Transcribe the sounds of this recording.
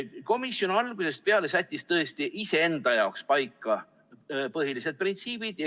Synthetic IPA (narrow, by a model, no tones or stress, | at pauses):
ko̞misjo̞nɑlɡ̥use̞st̪̚peɑle̞sæt̪ʲːˑist̪ɤest̪iʔise̞end̪̥ɑjɑokspɑjkːˑɑ | pɤɦilise̞d̪̚print̪siːb̥id̪̥